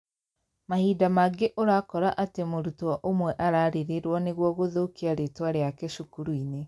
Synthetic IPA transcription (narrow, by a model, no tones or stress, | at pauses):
mahidamaɡeʔoɾakɔɾaʔatemoɾutuaʔomwɛʔaɾaɾeɾeɾwɔneɣwɔɣoðokiaɾetwaɾeakeʃukuɾuine